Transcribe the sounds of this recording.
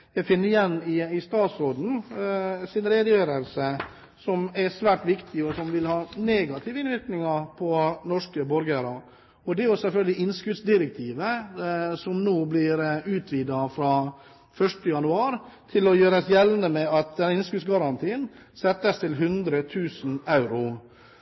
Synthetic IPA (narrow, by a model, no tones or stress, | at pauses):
jæɡfɪnːəɾɪjɛnːɪɪst̪ɑːt̪sɾoːd̪n̩ | sɪnɾeːd̪əjøːɾəlsə | sɔmæsʋæːʈʋɪkt̪ʰɪɔsɔmʋɪlhɑːneːɡɑt̪ʰɪːʋəɪnʋɪɾknɪŋɑɾpʰɔnɔʂkəbɔɾɡəɾɑ | ɔd̪ɛæɾjʊsɛlfœlɡəlɪɪnːskʉd̪sd̪ɪɾɛk̚t̪ʰiːʋə | sɔmnoːblɪɾʉːt̪ʰʋiːd̪ɑfɾɑː | fœʂʈəjɑnʉɑːɾ | t̪ʰɪlɔjøːɾəsjɛlnəmɛɑt̪̚d̪ɛnɪnskʉsɡɑɾɑnt̪ʰiːən | sɛt̪ːəst̪ʰɪlɦʉnd̪ɾət̪ʰʉːsn̩ɑʉɾʊ